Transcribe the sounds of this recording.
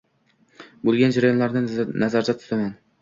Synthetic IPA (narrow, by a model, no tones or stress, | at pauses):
bolˠɡʲand͡ʒaɾajo̞nlaɾnɪnazaɾd͡ʒ̪at̪ʰʊ̥t̪ʰaman